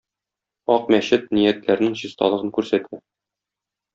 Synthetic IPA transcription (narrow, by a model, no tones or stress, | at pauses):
ɒq̚mæɕɘt̪̚nijæt̪læɾnɘŋʑist̪ɑ̰lˠɤ̆ʁɤŋkʉɾsæt̪ʰɘ